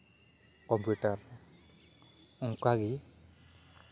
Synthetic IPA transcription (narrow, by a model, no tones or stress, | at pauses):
kɔmpjuʈaɾ | uŋkaɡi